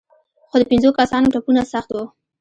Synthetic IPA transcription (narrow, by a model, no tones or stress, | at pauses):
xod̪əpɪnzokasɑnoʈapunasaxt̪wu